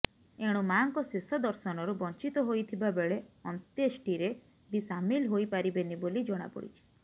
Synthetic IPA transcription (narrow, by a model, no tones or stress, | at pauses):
eɽ̃umaŋkɔsesɔd̪ɔɾsɔnɔɾubɔnt͡ʃit̪ɔɦojt̪ʰibabeɭeɔnt̪esʈiɾe | bisamilɦojpaɾibenibolid͡ʒɔɽ̃a̰pɔ̰ɽḭt͡ʃʰi̥